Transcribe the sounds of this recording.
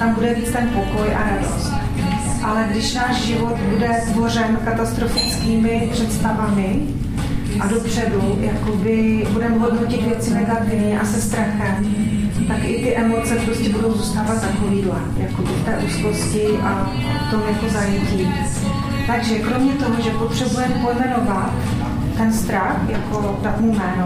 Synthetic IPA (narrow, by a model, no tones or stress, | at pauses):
t̪ambudɛviːt͡st̪ɛnpoko̞jʔa̰ɾado̰st̪ | ʔalɛɡdɪʃnaːʃʒɪvo̞t̪budɛt̪vo̞r̝ɛmkat̪ast̪ɾofɪt͡skiːmɪpr̝̥ɛt̪st̪avamɪ | ʔado̞pr̝̥ɛdujakobɪbudɛmɛɦodnocɪt̪vjɛt͡sɪnɛɡat̪ɪvɲɛʔasɛst̪ɾaxɛmt̪akʔɪt̪ɪʔɛmo̞t͡sɛpɾo̞scɛbudo̞wzuːst̪aːvat̪nakoviːdlɛjakobɪft̪ɛːʔuːsko̞scɪʔa | ft̪o̞mjako̞zajɛciː | t̪aɡʒɛkɾo̞mɲɛt̪o̞ɦoʒɛpo̞t̪r̝̥ɛbujɛmpojmɛno̞vat̪ː | ɛnst̪ɾaxjako̞ | dat̪mumɛːno